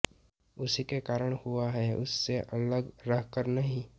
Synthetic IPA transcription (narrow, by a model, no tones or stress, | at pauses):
ʊsikekaːɾəɽ̃huaɦɛʊsːeʔɐləɡɾəɦkəɾnɐɦĩ